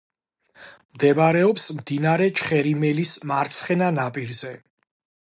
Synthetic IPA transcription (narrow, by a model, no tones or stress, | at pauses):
md̪ɛmaɾɛɔpsmd̪inaɾɛt͡ʃʰχɛɾimɛlismaɾt̪sʰχɛnanapʼiɾzɛ